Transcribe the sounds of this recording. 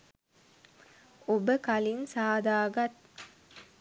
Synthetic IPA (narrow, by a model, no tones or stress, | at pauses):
obəkalinsaːd̪aːɡɐt̪̚